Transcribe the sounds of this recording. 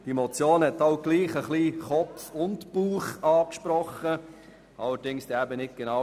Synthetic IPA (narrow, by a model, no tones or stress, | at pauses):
d̥imɔt͡sjoːnhɛtaʊɡ̥liːχəχliːχɔpfʊntb̥uːχɑːkʃpɾɔχə | ɑləɾd̥ɪŋsd̥̪ɛæbənɪt̚ɡ̥enɑ